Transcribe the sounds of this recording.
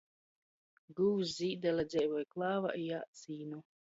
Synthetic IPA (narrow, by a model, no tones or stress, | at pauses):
ɡuwzziːd̪alad̪zʲɛjvɔjklˠaːva̰ʔijaːt̪siːnu